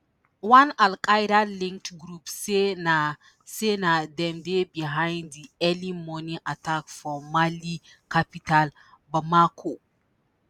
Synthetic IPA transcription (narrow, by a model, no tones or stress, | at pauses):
wãnalkʰajɾalĩŋk̚tɡɾupsena | senadɛ̃mdebiɦãɪ̃nddiɛlimɔniʔatʰakfɔmali | kʰapital | bamakʰo